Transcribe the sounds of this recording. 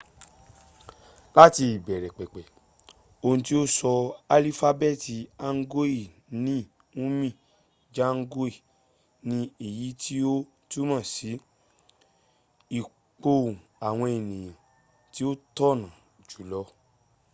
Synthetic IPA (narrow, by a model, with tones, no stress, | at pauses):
la˦ti˧i˨bɛ˨ɾɛ˨k͡pɛ˨k͡pɛ˨ | o˧nũ˧ti˦o˦sɔ˧a˧li˦fa˧bɛ˦˨ti˧a˦ŋ̩˦ɡo˦i˦˨ | nĩ˦ | ũ˦mĩ˦˨ | d͡ʒa˦ŋ̩˦ɡo˦i˦˨ | nĩ˧i˨ji˨˦tʰi˦o˦ | tu˦mã˦˨si˨˦ | i˨ | k͡po˧ũ˨a˨w̃ɔ̃˧e˨nĩ˨j̃ã˨ | ti˨˦o˦tɔ˦˨nã˨ | d͡ʒu˨˦lɔ˧˦